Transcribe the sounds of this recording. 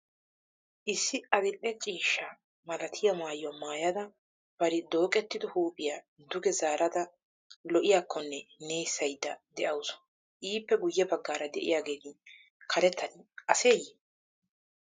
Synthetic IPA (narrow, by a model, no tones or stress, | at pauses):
ʔɪsːɪɐd̪ɪlːɛt͡ʃʼiːʃːa | mɐlɐt̪ʰɪjɐmaːjːɔmaːjɐd̪ɐ | b̥ɐɾɪd̪o̞ːkʼɛt̪ːɪd̪ʊhuːpʼːɪjaː | d̪ʊɡɛzaːɾɐd̪ɐ | lɔʔɪjaːkʰːɔnːɛneːjsːɐjd̪ːɐd̪ɛʔɐwʊsɔ̥ | ʔiːpːɛɡʊjːɛbɐɡːaːɾɐd̪ɛ̰ʔɪ̰jaːɡeːd̪ɪn | kʰɐɾɛt̪ːɐnɪʔɐse̞ːjɪ